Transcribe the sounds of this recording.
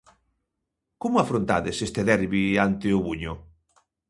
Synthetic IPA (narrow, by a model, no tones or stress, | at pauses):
komʊafɾont̪a̰ðesest̪eðɛɾβiant̪eʊβuɲʊ